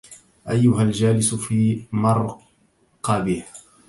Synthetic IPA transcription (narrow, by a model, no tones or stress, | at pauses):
ʔajːʊɦald͡ʒaːlɪsfiːmɑɾˤ | qɑbɪh